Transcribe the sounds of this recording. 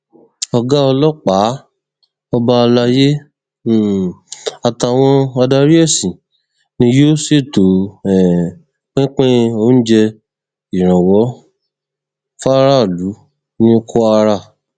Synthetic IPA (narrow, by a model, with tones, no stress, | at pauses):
ɔ˧ɡa˦ɔ˧lɔ˦k͡pa˨˦ | ɔ˧ba˧la˧je˦˨ | a˨ta˧˨w̃ɔ̃˧a˧da˧ɾi˦ɛ˦˨sĩ˨ | nĩ˧˦jo˦se˦˨to˨ɛ˨ | k͡pẽ˦k͡pẽ˦o˦n̩˦d͡ʒɛ˧ | i˨ɾ̃ã˨wɔ˨˦ | fa˦ɾa˦˨lu˨˦ | nĩ˦o˧kʰo˦a˧ɾa˧˨